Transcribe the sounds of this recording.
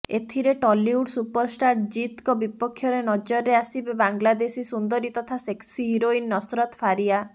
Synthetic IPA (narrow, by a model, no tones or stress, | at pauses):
et̪ʰiɾeʈɔliuɖsupɔɾsʈaɾʈ̚d͡ʒit̪kɔbipɔkʰːjɔɾenɔd͡ʒɔɾːeasibebaŋɡlad̪esisund̪ɔɾit̪ɔt̪ʰaseksiɦiɾoinːɔsɾɔt̪pʰaɾia